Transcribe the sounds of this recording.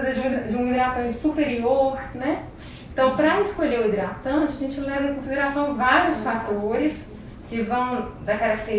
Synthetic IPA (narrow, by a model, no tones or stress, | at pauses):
zed͡ʒɪũd͡ʒɪũid̪ɾat̪ɐ̃nt͡ʃɪ̥supeɾioɾnɛ | ẽt̪ɐ̃w̃pɾɐɪskoʎeʊid̪ɾat̪ɐ̃t͡ʃɪɐʒẽnt͡ʃɪlɛvɐẽkõsid̪eɾasɐ̃w̃vaɾiʊsfat̪oɾɪs | kɪvɐ̃w̃d̪ɐkaɾak̚t̪eɾ